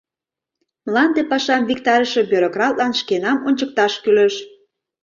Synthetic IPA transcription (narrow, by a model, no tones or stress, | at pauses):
mlɑnd̪epɑʃɑmvikt̪ɑɾəʃe̽bøɾokrɑlt̪lɑnʃkenɑmonʲt͡ɕək̚t̪ɑʃkyleʃ